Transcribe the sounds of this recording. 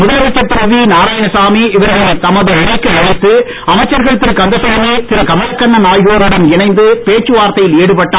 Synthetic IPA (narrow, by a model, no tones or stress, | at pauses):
mʊðɐlɐʋɐt͡ʃːɐt̪ːɪɾɯʋinaːɾaːjɐnɯsaːmiɪʋɪɾɐʋɐt̪ɐmɐðɯɪɳɐɪkːɯmɐɽɪt̪ːɯ | ɐmɐɪt͡ʃːɐɾɣɐɭɯt̪ːɪɾkɐnd̪ɐsɐɐnit̪ɪɾɐkɐmɐlɐkːɐɳːɐnaːjɣoːɾɪɽɐnɪnɐɪnd̪ɯpeːt͡ʃːɯʋaːɾt̪ɐjɪleːɽɯpɐʈːaː